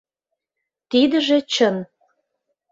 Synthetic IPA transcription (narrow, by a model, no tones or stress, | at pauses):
t̪id̪ə̆ʒĕt͡ɕən